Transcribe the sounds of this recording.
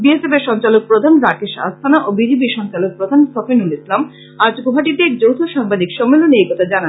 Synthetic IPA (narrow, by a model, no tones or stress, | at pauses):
biesebeɾʃɔnt͡ɕalok̚pɾod̪ʱanɾakeʃa̰st̪ʰanaʔobid͡ʑep̬iʃɔŋt͡ɕalok̚pɾod̪ʱansɔfenulislam | aɾd͡ʑkobʱaʈit̪eɛk̚d͡ʑowt̪ʰoʃaŋbad̪ikʃɔmːelonejkɔt̪ʰad͡ʑana